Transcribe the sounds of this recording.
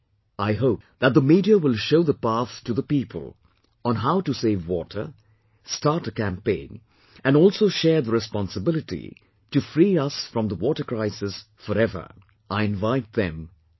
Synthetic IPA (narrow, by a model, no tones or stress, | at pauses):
aɪɦoʊp̚ðæt̪̚d̪əmiɾiəwɪlˠʃoʊðəpæθtuðəpipʰə̰lˠ | ə̃nɦaʊtɨseɪvwɔtʰə̰˞ | stɑɹtəkæ̃mpẽɪ̃n | æ̃nɔːlˠsoʊʃɛɹðəɾɨspɑ̃nsəbɪlɨtḭ | tɨfɾiːʌsfɹʌ̃mðəwɔtə˞kɹaɪsɨs | fəɾɛvə̰˞ | ʔaɪɨ̃nvaɪt̪̚ðɛ̰̃m